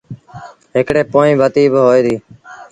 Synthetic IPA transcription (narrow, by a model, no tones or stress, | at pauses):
ɦɪkɽeːpoːĩːbʱət̪iːbɦoːiːd̪iː